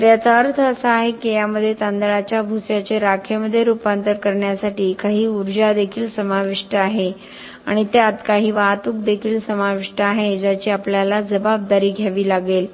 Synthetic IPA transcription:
ɾjat͡saəɾt̪ʰəəsaaɦekejaməd̪ʱːjet̪ãnd̪əɭat͡ɕjabʱusjat͡ɕeɾakʰeməd̪ʱːjeɾupant̪əɾkəɾɳjasaʈiːkaɦiːuɾd͡ʑad̪ekʰiːlsəmaʋiʂʈəaɦe | aɽ̃it̪ead̪kaɦiːʋaɦt̪uːk̚d̪ekʰiːlsəmaʋiʂʈəaɦed͡ʑat͡ɕiːapljalad͡zəbab̚d̪aɾiːɡʱjaʋiːlaɡel

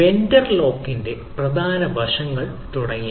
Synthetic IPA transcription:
endɐrlo̞ːkːinde̞ | prɐd̪ʱaːnɐbʱɐʂɐŋːɐɭ | t̪uɽɐŋːi

